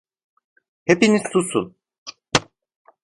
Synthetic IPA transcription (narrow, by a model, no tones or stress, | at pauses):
hepiniz̥t̪ʰusṵn